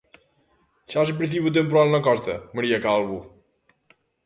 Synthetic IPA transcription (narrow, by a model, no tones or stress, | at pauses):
ʃas̬ɨpɾiθ̬iβut̪̬empuɾalˠnɐkɔst̪ə̰məɾiɐkalˠβu